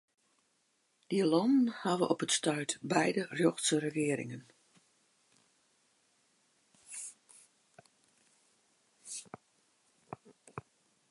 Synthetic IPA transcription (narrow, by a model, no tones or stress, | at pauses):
d̥ialomənhaʋə̰ʔɔpətstœɥtbɛjdərjɔxtsərəɣɪəɾɪ̰ŋən